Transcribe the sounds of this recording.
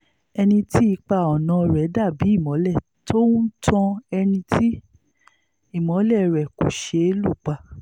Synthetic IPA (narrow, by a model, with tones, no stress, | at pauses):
ɛ˧nĩ˧ti˦i˧k͡pa˧ɔ˨nã˨˧ɾɛ˨˦da˦˨bi˨˦i˦˨mɔ̃˨˦lɛ˦˨ | to˦tɔ̃˧ɛ˧nĩ˧tʰi˦ | i˦˨mɔ̃˨˦lɛ˦˨ɾɛ˨ku˨ʃe˨˧˦lu˦˨k͡pa˧